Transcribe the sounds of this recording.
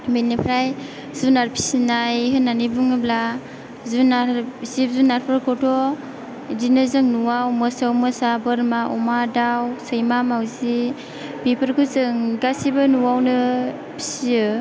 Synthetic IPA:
menipʰɾaj | zunaɾpʰi̥sinajɦɯnːanibuŋɯbla | zunasip̚zunaɾpʰɯɾkʰɔtɔ | dinɯzɯŋnuwawmɯsawmɯsabɯɾmaʔumadawsɯjmamawzi | bipʰɯɾkʰɯzɯŋɡasibɯnuwawnɯ | pʰi̥siɯ

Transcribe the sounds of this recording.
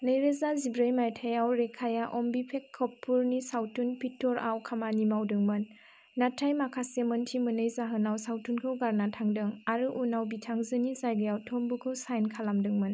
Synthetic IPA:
nɯjɾezazibɾɯjmajtʰajawɾekʰajaʔɔmbipʰekʰːɔpʰːuɾnisawtunpʰitːɔɾa̰wkʰamanimawdɯŋmɯnː | atʰajmakʰaseməntʰimɯnɯjzaɦɯnawsawtunkʰɯwɡaɾnatʰaŋdɯŋaɾɯʔunawbitʰaŋzɯnizajɡɯjawtʰombukʰɯwsajnkʰalamdɯŋmɯn

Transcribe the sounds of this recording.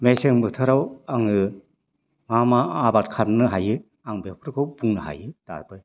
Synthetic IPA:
meseŋbɯtʰɯɾawaŋɯ | mamaːbatkʰaɾnɯɦajɯ | aŋbepʰɯɾkʰɯwbuŋnɯɦa̰jɯd̥a̰ɾbɯj

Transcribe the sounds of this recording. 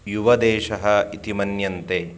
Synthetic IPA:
juʋɐd̪ɛːʃɐɦɐit̪imɐnjɐnt̪eː

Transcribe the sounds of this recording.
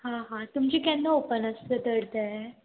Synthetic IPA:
hãɦãt̪umt͡ɕiːkɛ̃nd̪əopənəst̪ət̪əɽt̪ə

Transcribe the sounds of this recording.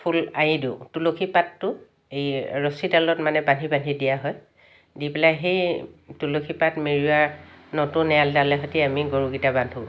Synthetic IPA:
pʰulajidiʊ̃tulokʰipatːʊ | ejɹosidalɔtmanɛbanibanʱidijaɦɔj | dipɛlaxejtulokʰipatmeɹiaɹnɔtʊ̃nɛaldalɛɦɔtiamiɡoɹuɡitabandʱu

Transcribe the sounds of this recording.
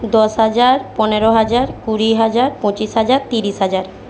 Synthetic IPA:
d̪ɔʃɦad͡ʑaɾpɔneɾoɦad͡ʑaɾkuɾiɦad͡ʑaɾpõt͡ɕiʃɦad͡ʑaɾt̪iɾiʃɦad͡ʑaɾ

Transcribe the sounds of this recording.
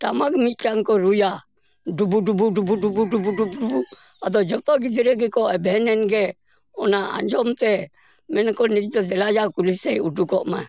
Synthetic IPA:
ʈamakmit̪̚ˀkaŋkɔɾuja | ɖubuɖubuɖubuɖubuɖubuɖubuɖubu | ad̪ɔd͡ʒɔt̪ɔɡid͡ʒiɾɛɡɛkɔɛbɛɦɛnɛnɡɛ | ɔnaa̰ɲd͡ʒɔmt̪ɛ | mɛnkɔnid͡ʒd̪ɔd͡ʒɛlad͡ʒakulisɛudukɔʔma

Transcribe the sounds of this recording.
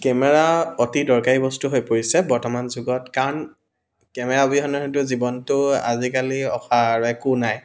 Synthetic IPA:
kɛmɛɹaotidɔɹkaɹibɔstuɦojpoɹisɛbɔɹtɔmanzuɡɔtkaɹɔn | kɛmɛɹabiɦɔnɛɦot̬ʊzibɔntʊa̰zikaliɔ̰xʰaɹɛkunaj

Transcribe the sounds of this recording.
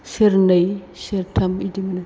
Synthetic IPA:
seɾnɐjseɾtʰɐmidimɐnɐ

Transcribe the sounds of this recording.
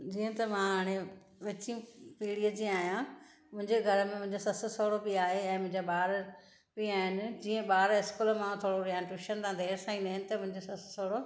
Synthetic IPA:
d͡ʑiːə̃t̪ɐmãaːɽ̃e | ʋɪt͡ɕĩpiːɽiəd͡ʑĩaːɦijã | mʊ̃ɦɪ̃ɲd͡ʑeɡʱɐɾəmẽmʊ̃ɦɪ̃ɲd͡ʑosɐssoːɽobiaːɦeɛ̃ːmʊ̃ɦɪ̃ɲd͡ʑaɓaːɾ | biaːɦɪnɪ̆d͡ʑiːə̃ɓaːɾɪskulmãt̪ʰoːɽoɾijaːnʈuʃənɪt̪ãd̪ʱeːɾsaːĩnd̪aːɦɪnɪ̆t̪ɐmʊ̃ɦɪ̃ɲd͡ʑosɐssoːɽo

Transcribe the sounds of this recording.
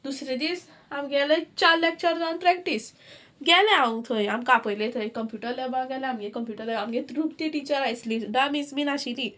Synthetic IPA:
d̪usɾed̪iːs | amɡɛlət͡ɕaɾlːek̚t͡ɕaɾd͡zanpɾɛkʈis | ɡɛlẽaʋət̪ʰoj̃amkapəjlẽt̪ʰəɾekːəmpjuʈəɾlabãɡɛlɛ̃amɡekəmpjuʈəɾlɛamɡet̪ɾukt̪iʈit͡ɕəɾajt͡sliɖamisminaɕili

